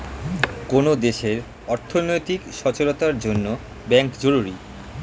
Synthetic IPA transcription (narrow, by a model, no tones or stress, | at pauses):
konod̪eʃeɾ | ɔɾt̪ʰonojt̪ikʃɔt͡ɕoɾot̪aɾd͡ʑonːo | bɛŋkd͡ʑoɾuɾi